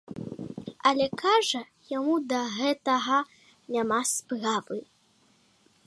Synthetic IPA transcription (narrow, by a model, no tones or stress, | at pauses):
ɐlʲɛkaʐɐ | jamud̪ɐɣɛt̪ɐɣɐ | nʲamaspravɨ